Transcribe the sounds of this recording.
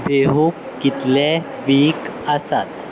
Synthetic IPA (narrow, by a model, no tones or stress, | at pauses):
beɦuk | kit̪le | ʋiːkəsat̪